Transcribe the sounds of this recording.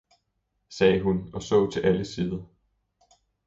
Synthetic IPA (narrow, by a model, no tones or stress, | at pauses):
sɛːɦunɒ̽sɔ̰̽ʊt͡sʰe̝lʔæləsiːðˠɐ